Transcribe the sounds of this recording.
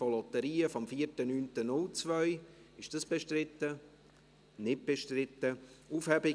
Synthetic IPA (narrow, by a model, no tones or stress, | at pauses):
fɔlɔt̪əɾiːəfɔmfiəɾtənyːntənʊlt͡svœʏɪʃd̥ɑsb̥eʃtrɪt̪ːə | nɪt̚b̥eʃtɾɪt̪ːəuːfhɛbɪ